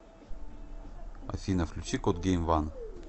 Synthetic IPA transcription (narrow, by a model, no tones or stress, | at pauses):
ɐ̰fʲinɐfklʲʊt͡ɕikot̪̚ɡʲejmvan